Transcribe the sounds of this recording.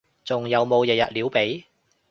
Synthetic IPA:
t͡sʊ˨˩ŋjɐ˨˧wmo˨˧wjɛː˨˩jɐ̰˨t̚liː˨˥wpe˨˥j

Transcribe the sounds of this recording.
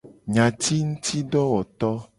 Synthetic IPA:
ɲã˨t̪i˦ŋũ˦t̪ʰi˦ɖɔ˦wɔ˨t̪ɔ˦

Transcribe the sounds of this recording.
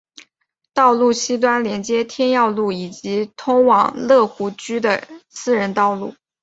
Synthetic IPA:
t̪ɑ˥˧ʊlu˥˩ɕi˥t̪̬wa˥nljɛ˧˥nt͡ɕjɛ˥t̪ʰjɛ˥njɑ˥˧ʊlu˥˩i˨˩t͡ɕi˧˥t̪ʰʊ˥ŋwɑ˨˩ŋlɤ˥˩xu˧˥t͡ɕy˥d̪ə˨sɹ̩˥˩ɻə˧˥nt̪ɑ˥˧ʊlṵ˥˩

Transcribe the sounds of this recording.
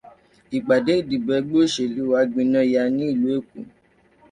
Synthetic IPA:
i˨ɡ͡ba˨de˨˦i˦˨di˨bɛ˧˦ɡ͡bo˦ʃe˨li˨˦wa˧˦ɡ͡bĩ˧nã˦˨ja˧nĩ˦i˦˨lu˨˦e˦˨kṵ˨

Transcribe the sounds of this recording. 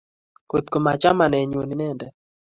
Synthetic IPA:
ko˨t̪ko˨ma˨t͡ʃa˦ma˨nɛ˨ɲo˨ni˨nɛ˦˨ndɛ˨

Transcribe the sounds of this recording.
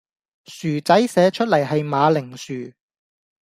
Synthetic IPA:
syː˨˩t͡sɐ˨˥jsɛː˨˧t͡ʃʰɵ˥t̚lɐ˨˩jɦɐ˨jmaː˨˧lɪ˨˩ŋsyː˨˩

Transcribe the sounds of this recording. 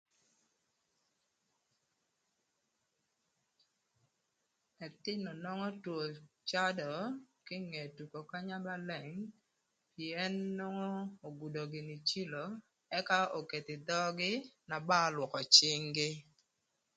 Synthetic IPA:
ɛ˨t̪ɪ˦no˨nɔ˦ŋɔ˦two˨t͡ʃa˦dɔ˨kɪ˦ŋe˨tu˨ko˨ka˦ɲa˦ba˦lɛ˨ŋ | pjɛ˦nːɔ˦ŋɔ˦o˨ɡu˨do˨ɡɪ˨ni˨t͡ʃi˦lo˨ | ɛ˦ka˦o˨ke˨t̪ɪ˨d̪ɔ˦ɡɪ˦na˨ba˦lwɔ˨kɔ˨t͡ʃɪ˦ŋɡɪ˦

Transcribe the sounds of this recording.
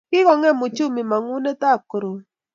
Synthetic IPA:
kɪ˦kɔ˨ŋɛ˦mʊ˨t͡ʃʊ˦mi˨ma˨ŋʊ˦ne˦ta˦˨kɾo˨

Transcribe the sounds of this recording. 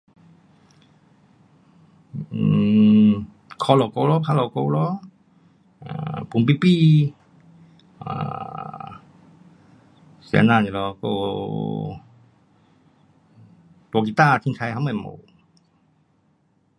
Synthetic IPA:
kʰɔ˧lɔ˨˧˩ko˧lɔ˧˦pʰa˧˥lɔ˨˧˩ko˧lɔ˧˦ | a̰˧˨˩pu˨˦mpi˧˥pi˥˧˨ | a̰˧˩ | sɛ̰˧˦naː˧˨ni˧˨lɔ˧kɔ̰˧ | t̪u˧ki˧˨t̪aː˥˧˨t̪ʰi˧˦ŋkʰa˧jɦa˧˦ma˧˩˨mo̰˧˩

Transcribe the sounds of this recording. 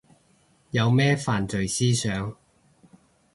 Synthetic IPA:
jɐ˨˧wmɛː˥faː˨nt͡sɵ˨ɥsiː˥sœː˨˧˥ŋ

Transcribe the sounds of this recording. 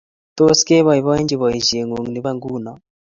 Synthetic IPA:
t̪ɔ˦skɛ˦βa˨i˨βa˦ɛ˦nd͡ʒi˨βa˨i˨ʒe˨ŋo˨ŋ˨ni˨βa˦ŋɡuː˦na˨

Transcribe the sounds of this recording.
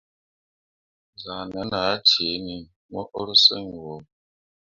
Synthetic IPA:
za˨nə˨˦na˨˦te˨˦ni˨ | mɔ˦ʔo˦ɾsə˦ŋ˨wo˨

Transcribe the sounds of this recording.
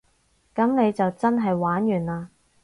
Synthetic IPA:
kɐ˨˥mne˨˧jt͡sɐ˨wt͡sɐ˥nɦɐ˨jwaː˨˥njyː˨˩naː˧

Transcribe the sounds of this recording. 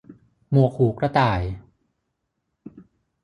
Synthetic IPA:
mu˨˩əkʰuː˩˦kɾa˧t̪aː˨˩j

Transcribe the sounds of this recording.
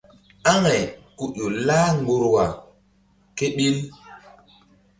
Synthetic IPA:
a˦ŋa˨jku˨ʔo˨laː˦ŋɡo˨ɾwa˨ | ke˦ɓi˦l

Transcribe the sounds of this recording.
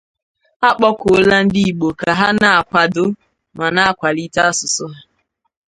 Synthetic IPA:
a˦k͡pɔ˦kʊ˨o˦la˦n̩˦di˦i˨ɡ͡bo˨ka˨ɦa˦na˨a˨kʷa˨dʊ˦ | ma˨na˦a˨kʷa˨li˦ta˦a˦sʊ˨sʊ˦ɦa˦

